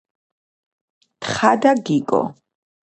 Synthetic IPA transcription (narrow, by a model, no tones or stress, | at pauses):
t̪ʰχad̪aɡikʼɔ̰